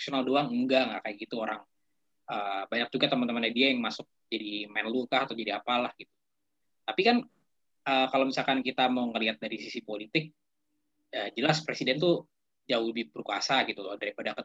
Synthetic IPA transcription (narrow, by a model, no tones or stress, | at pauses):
sionaldoaŋŋɡaŋakajaɡit̪uoɾaŋ | ʔəːbaɲak̚d͡ʒuɡat̪əmant̪əmanɲadiajaŋmasʊk̚d͡ʒadimɛnlukahat̪awd͡ʒadiapalahɡit̪u̥ | t̪apikan | əːkalawmisalkankit̪amawŋəliɦat̪̚daɾisisipolit̪ɪk̚ | əd͡ʒəlaspɾesidɛnt̪u | d͡ʒaʊhdibəɾukuasaɡit̪ulɔhdaɾipadakə